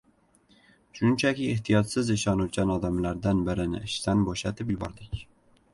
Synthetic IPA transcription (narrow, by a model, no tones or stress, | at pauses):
ʃʊnt͡ʃʰakʲɪeht̪ʰijɒt̪sɪzɪʃɒnut̪̚ʲanɒd̪amlaɾd̪anbɪɾɪnɪ̰ɪʃt̪anboʃat̪ʰɪpjʊbɒ̰ɾd̪ɪkʲ